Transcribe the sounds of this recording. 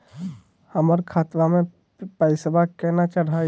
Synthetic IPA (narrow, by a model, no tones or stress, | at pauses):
həməɾkʰaːt̪ʋamẽ | paːɪsəbʱakɛnat͡ʃəɽ̤a